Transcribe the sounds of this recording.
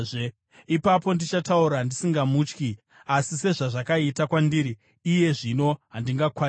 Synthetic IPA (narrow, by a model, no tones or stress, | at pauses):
ipapo̞ndit͡ʃatauɾandisiŋɡamuːt͡ʃki | asise̞ʐaʐakaitakwandiːɾiː | je̞ʐino̞ɦandiŋɡakwa